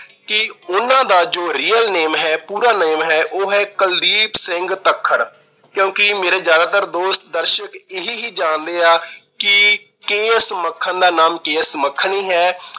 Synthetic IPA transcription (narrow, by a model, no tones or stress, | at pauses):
kɪʊnãːd̪aːd͡ʒoːɾiːəlneːmɦɛːpuːɾaːneːmɦɛːʔoːɦɛːkəld̪iːpsɪŋɡt̪əkʰːəɽ | kjõːkɪmeːɾeːd͡ʒjaːd̪aːt̪əɾd̪oːst̪̚d̪əɾʃəkɪɦiːɦiːd͡ʒãːnd̪eːaːkɪ | keːsməkʰːənd̪aːnaːmkeːsməkʰːɳiːɦɛː